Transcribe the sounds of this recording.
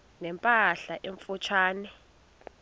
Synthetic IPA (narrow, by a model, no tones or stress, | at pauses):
nɛmpʼaɬaʔeɱfut͡ʃʰwaːnɛ